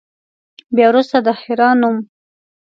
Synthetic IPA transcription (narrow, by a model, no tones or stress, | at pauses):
bjɑwɾust̪ad̪əhɪɾɑnum